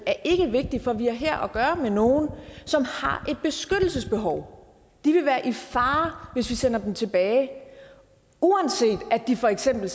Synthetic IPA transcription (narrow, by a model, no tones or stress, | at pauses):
æɐʔe̝ɡ̥əʋe̝ɡ̥̚d̥ifɒ̽ʋiæɐɦæɐ̰ʔɒɡ̥ɶːɐmeno̝ːn̩sɒ̽mhɑ̈ʔe̝d̥̚b̥e̝sɡ̥ød̥l̩səsb̥e̝ɦɒʊ | d̥iʋe̝ʋæːɐʔifɑ̈ːʋe̝sʋisen̰ɐd̥emt͡sʰe̝b̥ɛːɪ | uænse̝̰ːd̥æd̥ifɒ̽eɡ̥sem̰b̥l̩